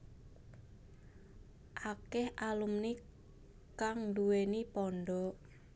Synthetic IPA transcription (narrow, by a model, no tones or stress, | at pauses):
ʔakɛhʔalumni | kaŋduwenipɔɳɖɔ